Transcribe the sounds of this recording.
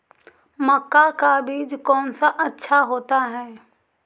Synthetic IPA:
məkːakabiːd͡ʒkɔːnsaʔɐtːʃʰaɦoːt̪aɦɛː

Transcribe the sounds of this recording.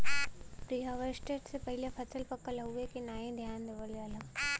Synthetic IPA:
pɾiːɦəʋəɾsʈeːʈsepɐɦɪlepʰɐsəlpɐkəlɦuekinaːẽd̪ʱjaːnd̪eʋəljaːlãː

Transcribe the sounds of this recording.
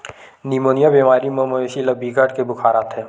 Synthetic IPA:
nimoːnijabemaːɾimɐ̃moeːʃilɐbiɡʱaʈkebʊkʰaːɾaːt̪ʰɦɛː

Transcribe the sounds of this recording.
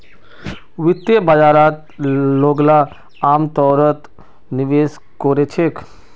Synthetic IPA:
wɪt̪ːebad͡ʒaːɾaːt̪ | loːɡla | aːmt̪ɔːɾət̪ | niʋeːs | koɾet͡ʃʰek

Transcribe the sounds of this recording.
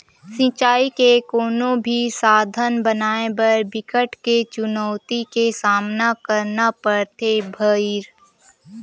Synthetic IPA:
sɪ̃t͡ʃaːikekoːnõbʱisaːd̪ʱənbənaːebəɾbɪkəʈket͡ʃʊnəʊt̪ikesaːmnakəɾnapəɾt̪ʰebʱəiɾ

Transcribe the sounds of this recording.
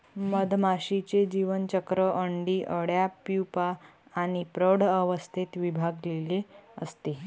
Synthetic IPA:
məd̪ʱmaɕit͡sed͡ʑiʋənt͡ɕəkɾəʔəɳɖiːʔəɽjapupaːɽ̃ipɾəɽəʋəst̪ʰit̪ʋibʱaɡleleəst̪e

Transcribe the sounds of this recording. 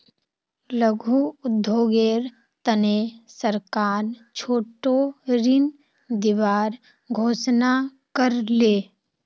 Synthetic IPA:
ləɡʱuʊd̪ʱːoːɡeːɾ | t̪ənesəɾkaːɾt͡ʃʰoːʈoɾɪn | d̪ɪʋaːɾ | ɡʱoːsnakəɾleː

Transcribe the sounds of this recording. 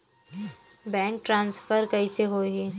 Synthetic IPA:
bɛ̃ːŋk̚ʈɾãːnsfəɾkɐiseɦoːɡiː

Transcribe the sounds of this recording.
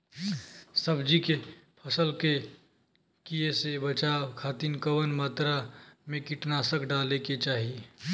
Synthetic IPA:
səbd͡ʒikepʰəsəlke | kijesebət͡ʃaːwkʰaːt̪inkəwənmaːt̪ɾamẽkɪʈnaːsəkɖaːleket͡ʃaːɦie

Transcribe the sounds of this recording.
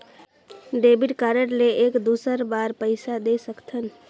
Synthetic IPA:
ɖeːbiɖkaɾəɽleʔeːkd̪uːsəɾbaːɾpəɪsad̪esəkt̪ʰən

